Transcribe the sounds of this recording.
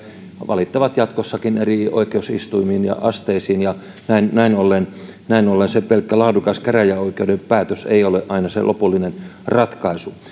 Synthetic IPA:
ʋʔɑ̰lit̪ːɑʋɑt̪jɑt̪kosːɑkinerio̰ikeusḭst̪uimiːnjɑ̰ʔɑ̰st̪eisiːnjɑ | næinnæinolːen | næinolːensepelkːælɑːdukɑskæræjæoikeudempæːt̪øsḛioleʔɑinɑsḛlʔo̰pulːinenrɑt̪kɑisu

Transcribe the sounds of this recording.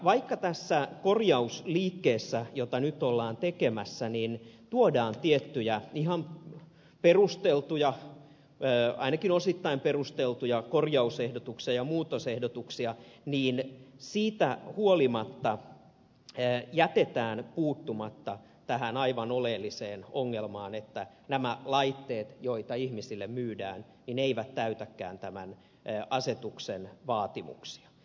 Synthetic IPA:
ʋɑikːɑt̪æsːækorjɑusliːkːeːsːæjot̪ɑnyt̪olːɑːnt̪ekemæsːænint̪uodɑːnt̪iet̪ːyjæihɑm | perust̪elt̪ujɑː | ɑ̰inɑkinosit̪ːɑimperust̪elt̪ujɑkorjɑusehdot̪uksiɑjɑmuːt̪osehdot̪uksiɑniːnsiːt̪æhuolimɑt̪ːɑ | jæt̪et̪æːnpuːt̪ːumɑt̪ːɑ | t̪æɦænɑiʋɑnoleːlːiseːnoŋːelmɑːnet̪ːæ | næmælɑit̪ːeːt̪joit̪ɑihmisilːemmyːdæ̰ːn | nineiʋæt̪t̪æyt̪ækːæ̰ːnt̪æmænː | ʔɑset̪uksenʋɑːt̪imṵksi̥ɑ̥

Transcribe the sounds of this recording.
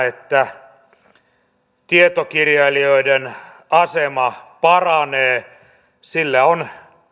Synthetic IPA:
et̪ːæ | t̪iet̪okirjɑlioiden | ɑsemɑpɑrɑneː | silːæon

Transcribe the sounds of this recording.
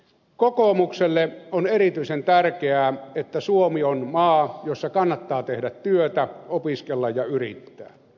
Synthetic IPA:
kokomukselːeʔonerit̪yisent̪ærkeæet̪ːæsuomionmɑːjosːɑkɑnːɑt̪ːɑːt̪ehdæt̪t̪yøt̪æopiskelːɑjjɑyrḭt̪ːæ̰ː

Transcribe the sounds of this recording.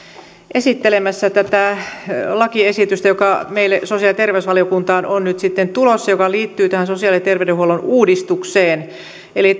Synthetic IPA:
ʔesit̪ːelemæsːæt̪æt̪æ | lɑkiesit̪yst̪æjokɑmeilːesosiɑlit̪erʋeysʋɑliokunt̪ɑːnonnyt̪sit̪ːent̪ulosːɑjokɑliːt̪ːyːt̪æhænsosiɑlit̪erʋĕdehuolonuːdist̪ukseːn | eli

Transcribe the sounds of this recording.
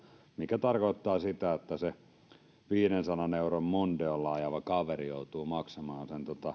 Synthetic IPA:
mikæt̪ɑrkoˑet̪ːɑːsit̪æot̪ːæse | ʋiːnensɑnɑneurommont̪eollɑːjɑʋɑkɑʋerijout̪uːmɑksɑmɑːnsent̪ot̪ɑ

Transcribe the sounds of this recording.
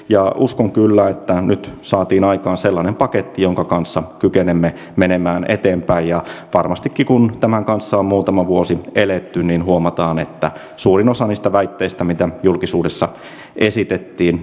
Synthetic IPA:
jɑuskoŋkylːæet̪ːænyt̪sɑːt̪iːnɑikɑːnselːɑnempɑket̪ːijoŋkɑkɑnsːɑkykenemːe | menemæːnet̪eːmpæijjɑʋɑrmɑst̪ikːikunt̪æmæŋkɑnsːɑommuːt̪ɑmɑʋuosielet̪ːyninhuomɑt̪ɑːnḛt̪ːæ̰ | suːrinosɑniːst̪æʋæit̪ːeist̪æmit̪æjulkisuːdesːɑ | ʔesit̪et̪ːiːn

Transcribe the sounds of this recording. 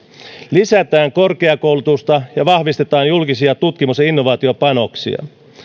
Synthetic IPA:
lisæt̪æːŋko̞rke̞ɑko̞wlut̪ust̪ɑjɑʋɑhʋist̪e̞t̪ɑːnjulkisiɑt̪ut̪kimusjɑinːo̞ʋɑːt̪io̞pɑno̞ksḭɑ̰

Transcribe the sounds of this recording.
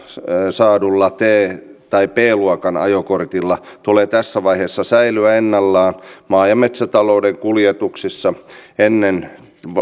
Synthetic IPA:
sɑːdulːɑt̪eːt̪ɑipeːluɑkɑnɑ̰jokort̪ilːɑt̪uleːt̪æsːæʋɑiheːsːɑsæilyæenːɑlːɑːnmɑːjɑmet̪sæt̪ɑloudeŋkuljet̪uksisːɑenːen

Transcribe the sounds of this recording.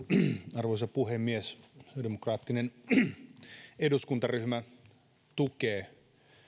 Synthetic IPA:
ɑrʋois̬ɑpuhemːiesdemokrɑːt̪ːinen | eduskunt̪ɑryhmæ | t̪ukeː

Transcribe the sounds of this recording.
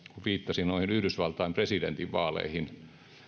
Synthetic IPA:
kuʋʋiːt̪ːɑsinnoihinyhdysʋɑlt̪ɑimpresident̪iʋʋɑːlḛihin

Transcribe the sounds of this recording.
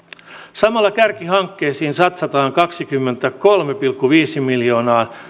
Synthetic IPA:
sɑmɑlːɑkærkihɑŋkːeːsiːnsɑt̪sɑt̪ɑːŋkɑksikymːent̪ækolmepilkːuʋiːsimiljo̞ːnɑː

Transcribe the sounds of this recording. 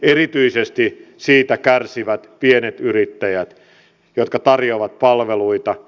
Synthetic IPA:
erit̪yisest̪i | siːt̪ækærsiʋæt̪pienet̪yrit̪ːæjæt̪ | jot̪kɑt̪ɑrjoʋɑt̪̚pɑlʋeluit̪ɑ

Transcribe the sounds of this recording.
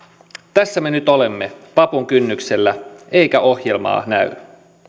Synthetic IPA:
t̪æsːæme̞nyt̪ole̞mːe̞pɑpuŋk̟ynːykse̞lːæejkæʔo̞hje̞lmɑ̰ːnæy̰

